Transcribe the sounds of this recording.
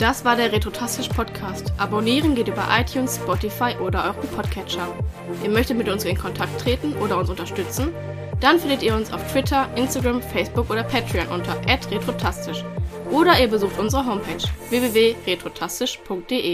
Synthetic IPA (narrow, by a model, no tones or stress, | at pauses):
d̥asv̥aːɐɾeːɐʁetʁ̥otʰastɪʃpʰɔtkʰaːstʔaboniːʁənɡeːtʔyːbɐ̰ʔaɪtʰjuːnsspɔtifaɪʔoːdɐʔɔʏʁipʰɔtkʰɛt͡ʃɐ | ʔiːɐmœçtətmɪtʊnsɪnkʰɔntʰak̚tʰːʁ̥eːtn̩ʔoːɾɐʊnsʊntɐʃtʏt͡sn̩ | d̥anfɪndətiːɐʊnsa̰ʊftv̥ɪtʰɐʔɪnstaɡʁamfɛɪsb̥ʊkʔoːdɐpʰɛtʁionʔʊntʰɐʔɛtʁetʁ̥otʰastɪʃʔoːɾɐiːɐbəzuːxtʔʊnzəʁəɦoʊmpʰɛːt͡ʃveːveːveːʁetʁ̥otʰastɪʃpʰʊŋk̚t̚d̥eːʔeː